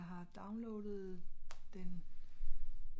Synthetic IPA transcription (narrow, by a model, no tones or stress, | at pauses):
ɦɑ̈d̥ɑ̈ʊnlɔːd̥ð̩ˠd̥en